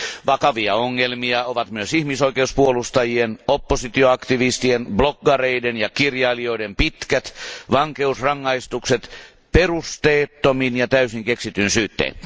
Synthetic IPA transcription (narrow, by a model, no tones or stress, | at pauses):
ʋɑkɑʋiɑoŋːelmiɑoʋɑt̪myøsihmisoikeuspuolust̪ɑjienopːosit̪ioɑkt̪iʋist̪ienbloɡːɑreidenjɑkirjɑːlio̞idempit̪kæt̪ʋɑŋkeusrɑŋːɑist̪ukset̪ | perust̪eːt̪ːominjɑt̪æysiŋkeksit̪ynsyːt̪ːḛːn